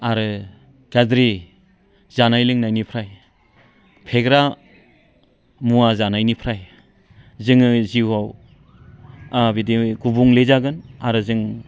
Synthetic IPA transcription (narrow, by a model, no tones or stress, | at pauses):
aɾɯ | ɡ̥adɾi | zanajlɯŋnajnipʰɾaj | pʰeɡɾa | muazanajnipʰɾaj | zɯŋɯziwaw | abidiɡubuŋlezaɡɯnaɾɯzɯŋ